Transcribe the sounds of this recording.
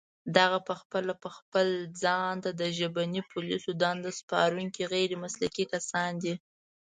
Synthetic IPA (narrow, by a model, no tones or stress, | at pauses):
d̪aɣapəxpəlapəxpəld͡zɑnt̪ad̪əʒəbanipʰʊlisod̪ɑnd̪əspɑ̰ɾuŋkiɣeɾimasla̰kikasɑnd̪i